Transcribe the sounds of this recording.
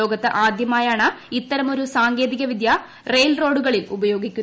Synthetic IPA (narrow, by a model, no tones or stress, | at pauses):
oːɡɐt̪ːɨʔaːd̪jɐmaːjaːɳɐit̪ːɐɾɐmo̞ɾusaːŋɡe̞ːðiɣɐʋid̪ja | rejlro̞ːɖuɣɐɭilubɐjo̞ːɡikʲːu